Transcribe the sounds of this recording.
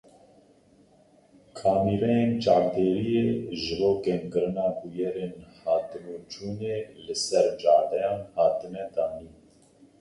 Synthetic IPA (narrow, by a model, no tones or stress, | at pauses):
kʰɑːmiɾɛjent͡ʃɑːvd̪eːɾijeʒɨboːkɛŋkɨɾɨnɑːbujɛɾenhɑːt̪ɨnut͡ʃuːneːlɨsɛɾd͡ʒɑːɾd̪ɛjɑːnhɑːt̪ɨnɛd̪ɑːniː